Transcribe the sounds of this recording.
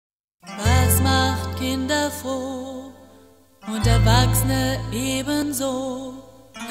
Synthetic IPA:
vasmaχt̚kʰɪndɐfo | ʔʊntɐɐvaksənəʔeːbənzoː

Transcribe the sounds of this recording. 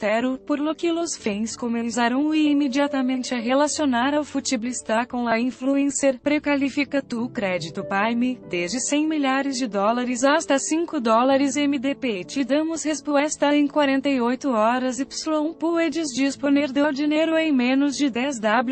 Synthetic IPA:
t̪ɛɾʊpoɾlokilʊsfĩj̃skõmẽsaɾɐ̃w̃imed͡ʒiat̪ɐmẽnt͡ʃɪɐɦelasionaɾawfut͡ʃiblist̪akõw̃ɐĩfluẽseɾpɾekalifikɐt̪ukɾɛd͡ʒit̪ʊpajmɪd̪ezd͡ʒɪsẽj̃miʎaɾɪzd͡ʒɪd̪ɔlaɾɪzast̪ɐsĩkʊd̪ɔlaɾɪzẽmid̪epet͡ʃid̪ɐ̃mʊshespuɛst̪ɐẽj̃kwaɾẽnt̪ejojt̪ʊɔɾɐzɪpsulõũpued͡ʒɪzd͡ʒisponeɾd̪awd͡ʒineɾʊẽj̃mẽnʊzd͡ʒɪd̪ɛzd̪ablu

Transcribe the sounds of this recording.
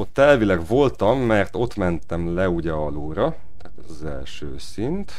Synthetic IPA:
ot̪ːɛlvilɛɡvo̞lt̪ɒmːɛrt̪o̞t̪mɛnt̪ɛmlɛuɟɛɒluːɾɒ | t̪at̪ɒzɛ̰lʃø̰ːsint̪

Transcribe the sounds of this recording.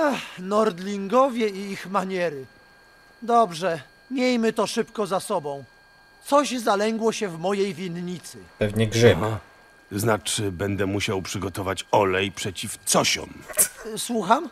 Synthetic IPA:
axnɔɾd̪lʲiŋɡɔvʲjɛiixmaɲɛɾɘ | d̪ɔbʐɛ | mʲjejmɘt̪ɔʂɘpkɔzasɔbɔ̃w̃ | t̪sɔʑzalɛŋɡwɔɕɛvmɔjejvʲinɲit̪sɘpɛvɲɛɡʐɘa | znat͡ʂɘbɛnd̪ɛmuɕawpʂɘɡɔt̪ɔvat͡ɕɔlɛjpʂɛt͡ɕift̪sɔɕɔ̰mswuxam

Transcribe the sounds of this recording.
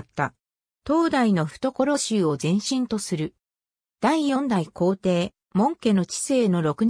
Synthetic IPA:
t̪ːa | t̪o̞ːd̪aino̞ɸɯ̥t̪o̞ko̞ɾo̞ɕɨːo̞zẽ̞ɰ̃ɕĩnt̪o̞sɨɾɯ̟ | d̪̥aijõ̞nd̪aiko̞ːt̪e̞ː | mõ̞ŋke̞no̞t͡ɕi̥se̞ːno̞ɾo̞kɯ̟ɲ

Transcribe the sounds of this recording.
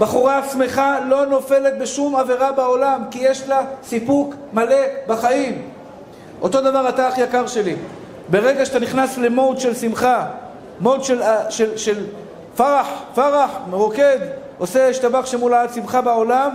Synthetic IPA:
baχuʁaːsme̞χalo̞no̞fe̞let̪̚beʃumaveʁabao̞lamkijeʃlasipuk | male̞baχaim | ʔo̞t̪o̞d̪avaʁat̪aχjakaʁʃe̞li | be̞ʁeɡaʃeat̪aniχnasle̞mod̪ʃe̞lsimχa | mod̪ʃelaʃelʃel | faʁaħfaʁaħmeʁoke̞d̪ | oseʃt̪abaχʃemulaadsimχabao̞lam

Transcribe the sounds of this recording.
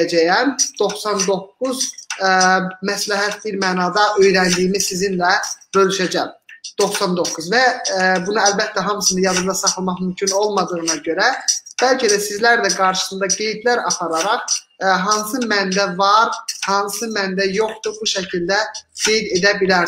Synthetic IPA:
d͡ʒæjænd̪̥o̞χsɑnd̪o̞kːuz | mæslæɦæt̪biɾmæːnɑːd̪ɑʔø̞jɾænd̪ijmizsizinlæbø̞lyʃæd͡ʒæmd̪̥o̞χsɑnd̪o̞kːuzvæbunɯælbæt̪ʰːæɦɑmɯsɯnɯjɑzɯmd̪ˠɑsɑχlˠmɑχmymcʰyno̞lˠmɑd̪ɯɣɯnɑɟø̞ɾæb̥ælcʰæd̪æsizlæɾd̪æɡɑɾʃɯ̥sɯnd̪ɑɡe̞jd̪læɾɑpʰɑɾɑɾɑχ | ɦɑnsɯmænb̪ævɑɾhɑnsɯmænb̪æjo̞χt̪ubuʃæcʰild̪æɡ̥e̞jd̪e̞d̪æbilæɾ

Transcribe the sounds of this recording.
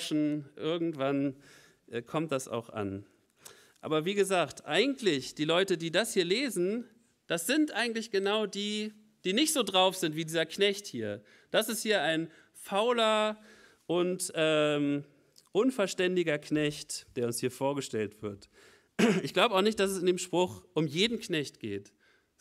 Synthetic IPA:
ʃn̩ʔɪɐɡŋ̩tv̥an | ʔɛːkʰɔmt̚d̥asa̰ʊxʔa̰n | ʔa̰ːbɐviːɡəzaːktʔaɪɡŋ̩tlɪçd̥iːlɔʏtədiːdashiːɐleːzn̩ | d̥asz̥ɪntʔaɪɡŋ̩tlɪçɡ̥ənaʊdiː | d̥iːnɪçtz̥oːdʁaʊfz̥ɪntv̥iːdiːzɐknɛçthiːɐ | d̥asɪsthiːɐaɪn | faʊlɐ | ʔʊntʔɛːm | ʔʊnfɛɐʃtɛndɪɡɐknɛçtd̥eːɐʊnshiːɐfoːɐɡəʃtɛltv̥ɪɐt | ɪçɡ̥laʊbəaʊxnɪç̬t̚d̥asɛsɪndeːmʃpʁ̥ʊxʔʊmjeːdn̩knɛçtɡ̥eːt

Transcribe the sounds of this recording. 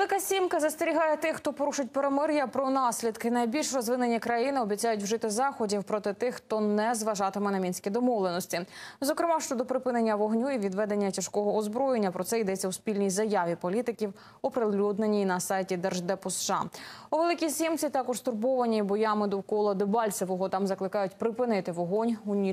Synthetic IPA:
elˠɪkɐsʲimkɐzɐst̪eɾʲiɦɑjɛt̪ɪxt̪ɔpɔɾuʃʊt̚ʲpeɾemɪrjɐpɾɔnɑsʲlʲid̪kɪnɐjbʲilʲʃrɔzʋɪnenʲikɾɐjinɪɔbʲit͡sʲajʊtʲwʒɪt̪ɪzɑxɔdʲiwpɾɔt̪ɪt̪ɪxt̪ɔnɛzʋɐʒɑt̪ɪmɛnɐmʲinʲsʲkʲid̪ɔmɔʋlˠenɔsʲtʲizɔkɾɪmɑʃt͡ʃɔd̪ɔpɾɪpɪnenʲːɐʋɔɦnʲuiʋʲid̪ʋɛd̪e̞nʲːɐt͡ʃʲɐʃkɔɦɔːzbɾɔjenʲːɐpɾɔt̪sɛid̪ɛt͡sʲːɐwspʲilʲnʲijzɐjaʋʲipɔlʲit̪ɪkʲiw | ɔpɾelʲud̪nenʲinɐsɑjtʲid̪ɛrʒd̪ɛpɔsʃɑ̰uʋelˠɪkʲisʲimt͡sʲit̪ɑkɔʐ̥st̪ʊrbɔʋɐnʲibɔjɑmɪd̪ɔwkɔlˠɐd̪ɪbɑlʲsʲeʋɔɦɔt̪ɑmzɐklˠɪkɑjʊtʲpɾɪpɪnɪt̪ɪʋɔɦɔnʲunʲi

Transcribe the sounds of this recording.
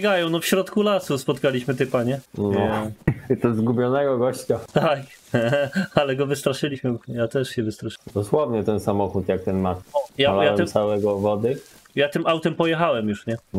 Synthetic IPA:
ɡajɔ̃w̃nɔfɕɾɔt̪kulasuspɔt̪kalʲiɕmɘt̪ɛpaɲɛnɔ | t̪ɔzɡubʲjɔnɛɡɔɡɔɕt͡ɕat̪ak | alɛɡɔvɘst̪ɾaʂɘlʲiɕmɘjat̪ɛʂɕɛvɘst̪ɾaʂd̪ɔswɔvɲɛt̪ɛnsamɔxut̪jak̚t̪ɛnmaɔjalajaɛɛmsawɛɡɔvɔd̪ɘ | jat̪ɘmawt̪ɛmpɔjɛxawɛmjuʂɲɛn

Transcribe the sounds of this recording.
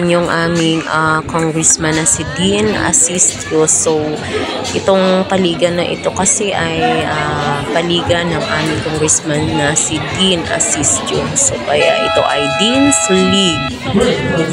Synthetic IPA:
njʊŋʔaːmɪŋɐkoŋɡɹɛsmɐnɐsɪd̪inʔɐ̰sist̪josow | ʔɪt̪o̞ŋpɐliːɡɐnːɐʔɪ̰t̪o̞kɐsɛʔɐjʔɐpɐliːɡɐnɐŋʔaːmɪŋkoŋɡɾɛsmanːɐsɪd̪inʔɐ̰sist̪t͡ʃʊsokɐjaʔɪt̪o̞̰ʔɐjd̪insʊliɡ̚

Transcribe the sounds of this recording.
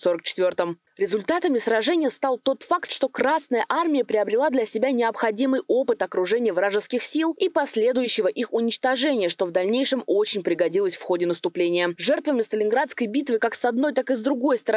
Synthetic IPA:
so̞ɾək̚t͡ɕɪ̥t̪vʲo̞rt̪əm | ɾʲɪzʊlʲt̪at̪əmʲɪsrɐʐɛnʲɪjəst̪alˠt̪o̞t̪fakt̪ʂt̪o̞kɾasnəjəʔarmʲɪjəpɾʲɪɐbɾʲɪlˠad̪lʲɐsʲɪbʲanʲɪɐpxɐdʲimɨjo̞pɨt̪ɐkɾʊʐɛnʲɪjəvɾaʐɨskʲɪxsʲilˠipɐsʲlʲe̞d̪ʊjʉɕːɪvəʔixʊnʲɪt͡ɕt̪ɐʐɛnʲɪjəʂt̪o̞vd̪ɐlʲnʲejʂɨmo̞t͡ɕɪnʲpɾʲɪɡɐdʲilˠəsʲfxo̞dʲɪnəst̪ʊplʲenʲɪjəʐɛrt̪vəmʲɪst̪əlʲɪnɡɾat̪skəjbʲit̪vɨkaksɐd̪̚no̞jt̪akɨzd̪ɾʊɡo̞jst̪əɾ

